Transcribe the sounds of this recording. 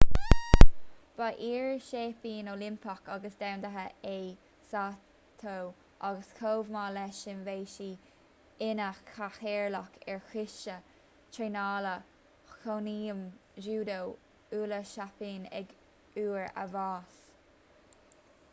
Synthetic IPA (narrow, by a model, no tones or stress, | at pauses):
b̥aʔiːɹʃeːpiːnoːlɪmpʰɔkaɡəsd̪awnd̪əɦəeː | sa | t̪ʰow | ʔaɡəskʰoːvmaːlɛʃɪnveːʃiː | ɪnəkʰaxɛːɹlakʰɛɹxɪʃə | tʰɹeːnaːlə | kʰoniːəmʒuːd̪ow | uːləʃapiːnɛ̰ɡ | uːɹə̰vɑːs